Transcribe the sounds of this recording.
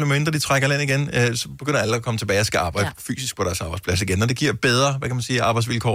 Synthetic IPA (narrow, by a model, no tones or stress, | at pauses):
lemend̥ʁɐd̥it͡sʰʁaɡ̥ɐlen̰iɡ̥enøsɒ̽b̥e̝ɡ̥ø̰n̰ɐæləɒkʰɒ̽mət͡sʰe̝bɛːɪɒsɡ̥æɑ̈ːb̥ɑ̈ɪ̰d̥əfy̰ːsisɡ̥̚pʰɒ̽ɾ̥æɐsɑ̈b̥ɑ̈ɪspʰlæsiɡ̥enːɒd̥e̝ɡ̥iɐ̰b̥eð̞ˠʁɐʋækʰæmænsiːɑ̈ːb̥ɑɪsʋilkʰɒ̰